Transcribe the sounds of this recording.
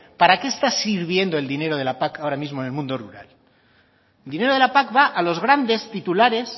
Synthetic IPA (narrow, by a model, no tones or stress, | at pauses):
paɾake̞ːst̪asiɾβ̞je̞nd̪o̞e̞ld̪ine̞ɾo̞ð̞e̞lapakaoɾamizmo̞enelmũnd̪o̞ruɾa̰l | ld̪ine̞ɾo̞ð̞e̞lapakβaʔalo̞zɣ̞ɾand̪e̞st̪it̪ulaɾe̞s